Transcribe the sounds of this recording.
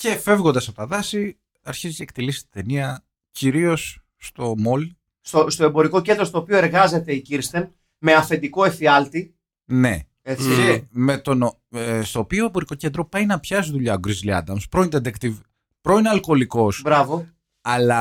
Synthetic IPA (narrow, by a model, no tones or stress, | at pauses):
ce̞fe̞vɣo̞nd̪ɐsɐt̪ɐðɐsi | ɐɾçizt̪ɐekt̪ilisi̥t̪i̥d̪e̞niɐ | ciɾio̞sː | t̪o̞mo̞l | st̪ost̪oebo̞ɾiko̞ce̞nd̪ɾost̪oːpio̞eɾɣɐze̞t̪e̞iciɾst̪e̞n | me̞ɐfe̞nd̪iko̞efiɐlt̪i | ne̞̰ | eme̞t̪o̞no | est̪o̞ːpioembo̞ɾiko̞ce̞nd̪ɾo̞pɐjnɐpçɐs̬iðuʎɐoɡɾizliɐ̰d̪ɐmspɾo̞ind̪ed̪ekt̪iv | pɾo̞ineɐlko̞liko̞sbɾɐvo | ɐlɐ